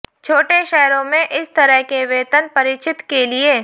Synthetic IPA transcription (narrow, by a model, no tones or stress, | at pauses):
t͡ʃʰoːʈeʃɛːɾõmẽʔɪst̪ɐɾəɦkeʋeːt̪ənpɐɾɪt͡ʃɪt̪kelieː